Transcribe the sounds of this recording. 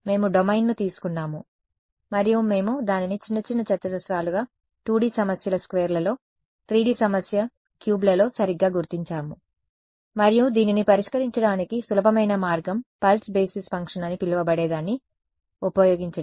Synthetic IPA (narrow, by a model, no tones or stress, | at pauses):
me̞ːmuɖomɐjnːut̪iːsu̥kunːaːmu | mɐɾijume̞ːmud̪aːninit͡ʃinːɐt͡ʃinːɐt͡ʃɐt̪ːɐd̪ɐsɾaːluɡaː | ʈuːɽiːsɐmɐsjɐlɐskʋeːɾlɐlo̞ː | ʈɾiːɖiːsɐmɐsjɐ | kjuːblɐlo̞ːsɐɾiɡːaːɡuɾt̪iɲt͡ʃaːmu | mɐɾijud̪iːninipɐɾiʂkɐɾiɲt͡ʃɐɽaːnikisulɐbʱɐmɐjnɐmaːɾɡɐmpɐlsbeːsispɐŋkʂɐnɐnipilːɐʋɐbɐɽeːd̪aːnːi | upɐjo̞ːɡiɲt͡ʃɐ